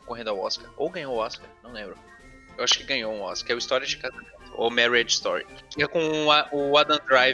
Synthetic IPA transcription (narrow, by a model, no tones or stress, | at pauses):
koɦẽnd̪ʊawɔ̰skɐɾowɡɐ̃ɲowɔskɐnɐ̃w̃lẽbɾʊ | ewaʃʊ̥kɪɡɐ̃ɲoũɔ̰skɛist̪ɔɾiɐd͡ʒɪkazamẽnt̪ʊo̰mɛɾed͡ʒɪst̪ɔɾḭkõaʔʊad̪ɐ̃d̪ɾaj